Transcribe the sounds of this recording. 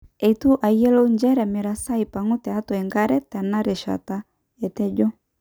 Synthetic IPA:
ɛ˨itu˦ʔa˨jjɛ˦lo˦ɲd͡ʒɛ˦ɾɛ˨mɛ˨ɾa˨sa˦ipa˨ŋu˦tɛ˨a˦tɔ˨ɛ˨ŋɡa˦ɾɛ˦ta˨na˦ɾɛ˨ʃa̰˨ta˦ | ɛ˨tɛ˦d͡ʒɔ˦

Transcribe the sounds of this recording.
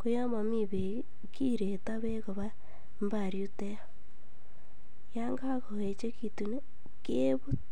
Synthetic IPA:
ko˦ja˦ma˨miβe | ki˦ɾeta˦βe˦ɣo˨βa˦ | mba˨ɾju˦te˦a | ja˦ŋɡaa˦ko˨e˨t͡ʃe˦kitu˨ne˦ | ke | βu˦

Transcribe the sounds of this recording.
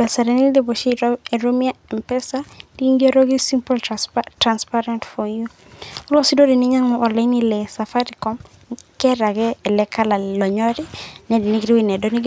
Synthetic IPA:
bɛ˨sa˨ɾɛni˦ldebo˨ʃie˨ɾomia˦ɛ˨mpɛ˦sad̥i˦ŋɡeɾoɡi˦si˦mpɔltɾanspaɾɛ˦ntfɔ˨ju˦ | ɔ˦lɔ˦si˦dodi˨ni˦ɲa˦ŋmɔʔɔ˨lɛ˨nilɛsa˨faɾikɔm | kɛ˦ɾa˨ɡɛːlɛ˦kʰa˦la˨lɔ˨ɲɔ˦ɾi˦nɛ˨di˨ni˦ɡɾi˦winɛ˨doni˦ɡ

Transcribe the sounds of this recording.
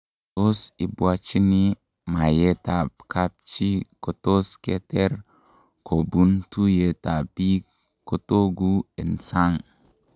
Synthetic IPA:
to˦si˨bwa˦t͡ʃi˦ni˦ | ma˨je˦ta˨b̚kʰa˦p̚t͡ʃi˦ko˨to˦ske˦te˦ɾ | ko˨bu˦ntu˦je˨ta˨bi˦ | ko˨to˦ɡu˦e˨nsa˦ŋ

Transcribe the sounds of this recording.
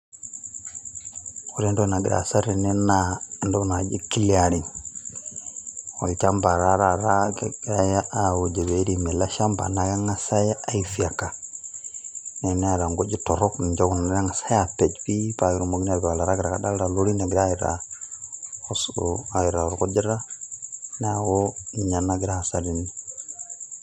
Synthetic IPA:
o˦ɾi˦ndo˦˨na˨ɡi˨ɾa̰˨sa˦ɾi˨nɛ˦na˦ndo˦ɡna˨d͡ʒḭ˦ki˦li˦a˨ɾi˨n | o̰˨lt͡ʃa˦mba˨ɾa˦ɾa˦ɾa˦ka˦ja˦ʔa˦˨u˨d͡ʒe˨βe˨˦ɾi˨mɛ˨la˦ʃa˦mba̰˨na˨ɡa˦ŋa˦sa˦ja˦a˦i˨fi˨a˨ka˨ | nɛ˨nɛ˦a˨ɾa˨ŋɡo˦d͡ʒi˦tɔ˨ɾɔ˦kni˨ɲd͡ʒa˦ɡu˨na˦ɾa˦ŋa˨sa˦ja˨pɛ˨d͡ʒpi˦pa˨ɡi˨ɾo˨mo˨ɡi˦a˨ba˨la˨ɾa˦ɡi˨ɾa˨ka˨da˦lɾa˨lo˦ɾi˦na˨ɡɪ˨ɾa˦i˨ɾa̰˨ | o˨sa˨i˨ɾa˨ɔ˨ɾkɔ˦d͡ʒɛ˦ɾa˦ | nɛ˦a˨wo˦ɲa˨na˦ɡi˨ɾa˨a˨sa˨ɾi˦ni˨

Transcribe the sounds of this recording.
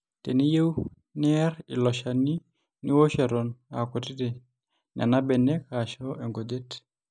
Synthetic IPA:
te˨ni˦je˦w | nɪ˦ɛ˦ɾɪ˨lɔ˨ʃa˨ni˦ | ni˦wo˦ʃɛ˨ɾɔ˨na˨kɔ˨ti˦de˨ | na̰˨na˦bɛ˨nɛ˦ka˨ʃɔ˦ʔe˨ŋɡo˨de˦t

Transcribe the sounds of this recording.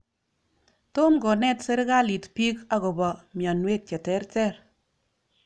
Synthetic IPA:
to˦mɡɔ˨nɛ˦tse˦ɾɡa˦li˨tpi˦ka˨ɣo˨bɔ˨mjɔ˨nwe˦t̚t͡ʃɛ˨tɛ˦ɾtɛ˦ɾ

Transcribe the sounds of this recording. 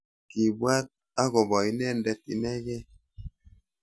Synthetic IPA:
ki˨bwa˦t̚ | a˦ɡo˨bɔ˨i˦nɛ˦˨ndɛ˦t̚i˨nɛ˦ɡɛ˦

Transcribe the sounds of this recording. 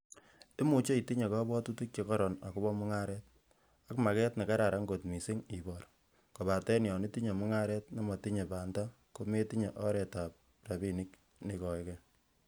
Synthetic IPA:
e˦mu˨t͡ʃe˦i˨ti˦ɲe˨kɔ˦bɔ˦tu˦tu˦k̚t͡ʃe˨kɔ˦ɾɔ˨na˨ku˦bɔ˦mʊ˦ŋa˦ɾɛ˦t̚ | a˦kma˨kɛ˦tne˨ka˦ɾa˨ɾa˨˦ŋɡo˨tmi˨si˦ŋi˨bɔ˨ɾ | ko˨ba˨tɛ˦njɔ˨ni˦ti˦ɲe˨mu˦ŋa˦ɾɛ˦t̚na˦mɔ˨ti˦ɲe˨ba˨nda˦ | ko˦me˦ti˦ɲe˨ʔɔ˦ɾɛ˨ta˨p̚ | ra˨bi˦ni˦k | ni˨kɔ˨ɪkɛ

